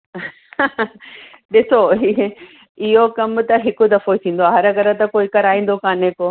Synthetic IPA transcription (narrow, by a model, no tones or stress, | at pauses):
ɗɪsoɦi | ɪɦokɐmt̪ɐɦɪkʊd̪ɐfoit̪ʰĩːn̆d̪oɦɐɾɐɡɐɾə̆t̪ɐkoːikɐɾaːĩːn̆d̪okãːneko